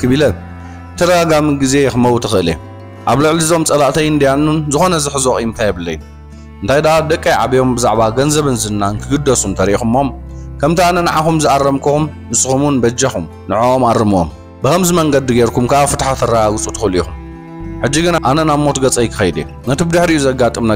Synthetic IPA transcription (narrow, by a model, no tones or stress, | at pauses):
kʰɨβilɐ | t̪ʰɐɾɐɡaɡamiɡize̞xɨmɐwt̪ʰɨxɨʔɨle | ʔaβlɨʕlizomt͡sʼɐlaʔt̪ʰɐjɨnd̪ijanːunzɨxo̞nɐzɨħɨzoxʼjmɨnt̪ʰajɛβɨlːɐ̰jːu | ɨnt̪ʰajd̪aad̪ɐkʼːajʕa̰βijo̞mbɨzaʕβaɡɐnzɐβɨnzɨnːaɨnk̪ʰɨɡɨd̪ɐsumt̪ʰɐɾiixumomkʰɐmt̪ʰianɐnaʕaxumzɨʔarːɐmkʰɨxumːɨsxumunbɐd͡ʒɐxum | nɨʕoomarɨmo̰m | bɨkɐmzimɐŋɡɐd̪ɨɡeɾkʰumkaaβfɨt̪ħat̪ʰɐrːaɡaɡut͡sʼut̪ʰɨxɨlixum | ħɨd͡ʒːiɡɨnaʔanɐnamːo̞t̪ɡɐt͡sʼɐjkʰɨ̥xɐjd̪ḛ | nɐt̪ʰibd̪ɨħɾiʔjuzɐɡːat̪ʼɨmna